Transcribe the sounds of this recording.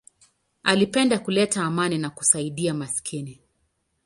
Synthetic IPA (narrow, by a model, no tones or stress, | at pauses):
alipɛndakulɛtaːmaninaku̥saiɗiamasi̥kʰini